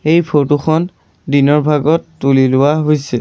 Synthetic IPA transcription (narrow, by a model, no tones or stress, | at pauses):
ejpʰotuxʰɔn | dinɔɹbʱaɡɔtːulilʊwaɦojsɛ